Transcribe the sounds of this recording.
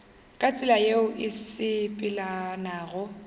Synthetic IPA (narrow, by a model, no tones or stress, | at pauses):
kʼat͡sʼɪlajeʊʔɪsɪpʼɪlanaːɣʊ